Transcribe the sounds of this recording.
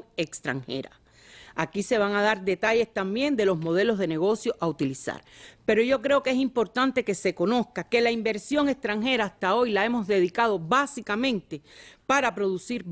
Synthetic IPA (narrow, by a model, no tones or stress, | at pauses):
ekst̪ɾa̰ŋhe̞̰ɾa̰ | akise̞β̞aŋað̞aɾd̪e̞t̪aʝe̞st̪ambje̞nd̪e̞lo̞smo̞ð̞e̞lo̞zðe̞ne̞ɣo̞sjo̞ʔaut̪ilisa̰ɾpe̞ɾo̞ʝo̞kɾe̞oke̞simpo̞ɾt̪ant̪e̞ke̞se̞ko̞no̞skake̞laimbe̞ɾsjo̞ŋe̞kst̪ɾaŋɦe̞ɾaːst̪ao̞jlae̞mo̞zðe̞ðikað̞o̞βasikamẽ̞nt̪e̞paɾapɾo̞ðusiɾ